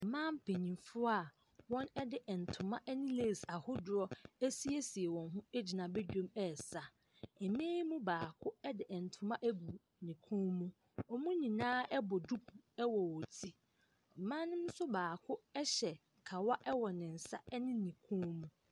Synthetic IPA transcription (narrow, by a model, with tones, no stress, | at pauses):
mãː˦m̩˦pʰe˨ɲĩ˨fʊ˦a˨ | wɔ̃˦nɛ˦dɪ˨ʔɛ˨n̩˨tʰʊ̃˨mã˦ʔɛ˦nɪ̃˦leː˦˨sa˨hʊ˦dʊ˨ɾɔ˦æ˦si˦e˦si˨e˨wɔ̃˨nɦʊ̃˦e˦d͡ʑi˨nã˨be˦d͡ʑᶣõ˦mɛ˦˨sa˨ | ɛ˨m̃˦e˦ji˦mũ˦baː˨kʰʊ˦ɛ˦dɪ˨ʔɛ˨n̩˨tʰʊ̃˨mã˦ʔæ˦bu˨ | nɪ̃˨kʰũ˦mũ˦ | ɔ˨mũ˦ɲĩ˨nãː˦ɛ˦bɔ˨du˦kʰu˨ɛ˦wɔ˨wɔ˨tʰi˦˨ | mãː˦nɪ̃˦m˦sʊ˦baː˨kʰʊ˦ɛ˦ɕɛ˨ | kʰa˨wa˦ʔɛ˦wɔ˨nɪ̃˨n̩˨sa̰˦ɛ˦nɪ̃˦nĩ˨kʰũ˦mũ˦